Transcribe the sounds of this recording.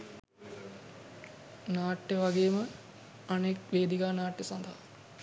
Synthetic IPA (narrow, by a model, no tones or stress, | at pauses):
naːʈːeʋaɡeːmə | anekʋeːd̪iɡaːnaːʈjesɐnd̪ʱaɦa